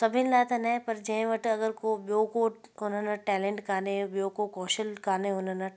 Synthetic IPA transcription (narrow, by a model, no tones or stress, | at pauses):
sɐbʱinlaːt̪anɐɛ̃pɐɾd͡ʒɐẽʋɐʈɐɡəɾkobjoːkoʊnɦanɐʈɛːlẽɳʈkaːnebjoːkokɔːʃəlkaːneʊnanɐ